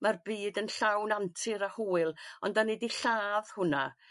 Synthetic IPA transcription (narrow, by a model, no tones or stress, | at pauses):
marbiːdənɬawnantʰɪɾahuːɨlˠɔndanɛdiɬaːð̥hʊna